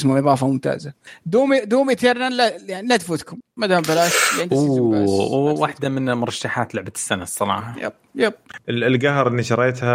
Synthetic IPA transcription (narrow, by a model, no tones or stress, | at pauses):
smaʔɪðˤɑːfamʊmt̪a̰ːzad̪uːmid̪uːmit̪eɾnalajanilad̪fʊt̪kʊmːad̪aːmbalaːʃjaʕnu | waħd̪amɪnmʊɾˤɑʃːaħaːt̪lʊʕbat̪ɪ̥sːanasˤɨnɑ̰ːʕɦaja̰bjab̚ɪɪlɡaɦɾˤʔɪnːiʃɑɾˤeːt̪ha